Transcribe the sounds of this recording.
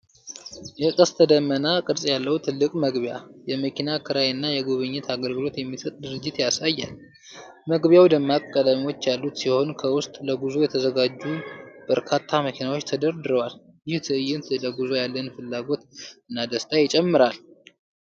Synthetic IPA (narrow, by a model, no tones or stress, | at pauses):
jɛkʼəst̪ʰəd̪əmːənakʼɨɾsʼjalːəwt̪ʰɨlːɨkʼməɡβjajɛməkʰinakʰɨɾajɨnːajɛɡoβɨɲːɛt̪ʰaɡəlɡɨlo̞t̪jɛmːisət̪ʼd̪ɨɾɨd͡ʒːɪt̪jasajːal | məɡβjawd̪əmːakʼːəd̪amiwo̞t͡ʃːjalːut̪siho̞nkʰəwʊst̪ʼləɡuzojɛt̪ʰəzəɡad͡ʒːub̥əɾkʰat̪ʰːaməkʰinawo̞t͡ʃːt̪ʰəd̪əɾd̪ɨɾəwal | jɪht̪ʰɨʔɨjːɪnt̪ʰləɡuzojalːənfɨlːaɡo̞t̪ɨnːad̪əst̪ʰajɪt͡ʃʼɛmːɨɾal